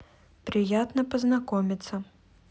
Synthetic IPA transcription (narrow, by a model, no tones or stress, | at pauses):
pɾʲɪjat̪nəpəznakomʲɪt̪sə